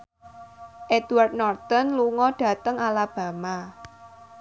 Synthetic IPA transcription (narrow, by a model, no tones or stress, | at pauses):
ʔed̪ward̪̚nɔrt̪ɔnluŋɔɖ̥a̤t̪əŋalab̥ä̤ma